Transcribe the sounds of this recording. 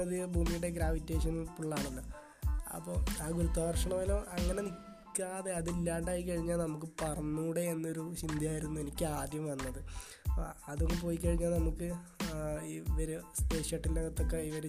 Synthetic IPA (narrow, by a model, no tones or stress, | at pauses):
ɐðɨbʱuːmijuɽe̞ɡɾaːʋitːeːʂ̬ɐnilpuɭːaːɳulːo | ɐ̰pːoːaːɡuɾut̪ːaːɐrʂɐɳɐmɐloʔɐŋːɐne̞nikːaːðe̞ɐðilːaːɳɖaːjik̬ːɐɻiɲːaːlnɐmuk̬ːɨpɐrɐnːuːɽe̞enːo̞ɾut͡ɕind̪ʱijaːjiɾunːue̞nikʲːɨaːd̪jɐmʋɐnːɐðɨ̰ | ɐðuŋːep̬o̞ːjikːɐɻiɲːaːlnɐmukːɨ | iʋɐɾespeːʂjɐʈːindeɣɐt̪ːo̞kːeiʋɐɾu